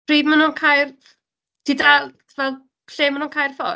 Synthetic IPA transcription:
riːmənuːnkʰajr | tʰida | vɛlˠ | ɬeːmənuːnkʰajrfɔ̰

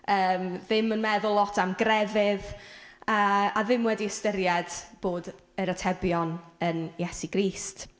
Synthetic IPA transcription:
əːmðɪmənmɛðʊlˠɔtʰamɡrɛvɪðəːaðɪmwɛdiəstəɾjɛd̥b̥oːd | əɾətʰɛbjɔnənjɛsiɡ̥riːst

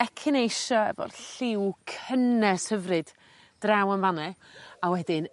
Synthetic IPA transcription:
ɛkʰɪnejʃɔɛ̰vɔ̰rɬɪwkʰənɛshəvrɨd̥ | d̥rawənvanɛawɛdɪn

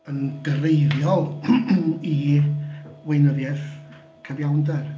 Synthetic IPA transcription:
ənɡ̥ərejðjɔlˠ | i | wejnəðjɛθ | kʰəvjawndɛr

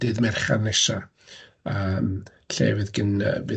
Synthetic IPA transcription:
d̥ɨːðmɛrχa̰rnɛʃa | əm | ɬḛːvɨðɡənəvɨ

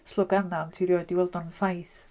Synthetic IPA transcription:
slˠʊɡanantʰiɾjɔdiwɛlˠdɔnfajθ

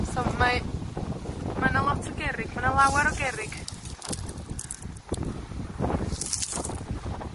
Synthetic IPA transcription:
sɔmma | manalˠɔtʰɔɡɛɾɪɡ̥manalˠawɛɾɔɡɛɾɪɡ̥

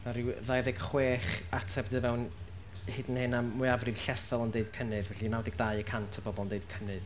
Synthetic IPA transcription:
aɾiwðajðɛɡ̥χweːχatʰɛbdɨvɛwn | hɪdnhɪnamːʊɨavrɨv̥ɬɛθɔlˠɔndeɨd̚kʰənɨðvɛɬinawdɛɡ̚dajəkʰantʰəbɔbɔlˠndejd̥̚kʰənɨð

